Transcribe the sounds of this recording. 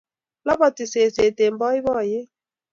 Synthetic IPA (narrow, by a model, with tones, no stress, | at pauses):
lɔ˦bɔ˨tɪ˨se˨se˨te˨m̩˦bɔ˦ɪ˦βɔ˦˨jɪ˦